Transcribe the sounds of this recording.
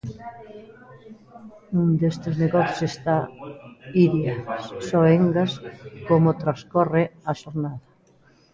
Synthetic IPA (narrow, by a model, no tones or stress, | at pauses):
und̪est̪ezneɣɔθjo̥sest̪a | iðjassɔeŋɡaskomʊt̪ɾaskɔreaʃoɾnaðɐ